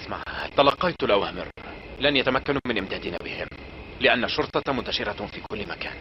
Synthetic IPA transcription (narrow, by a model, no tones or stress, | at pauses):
ʔɪsma̰ʕha̰t̪ɑlɑqːɑjt̪lʔawhamɪ̰rlanjat̪amakːanmɪnʔɪmd̪aːd̪ɪna̰ːbɪhɪ̰mlɪʔanːaʃːʊɾt̪ˤɑmʊnt̪ːaʃɪɾafiːkʊlːɪmaka̰ːn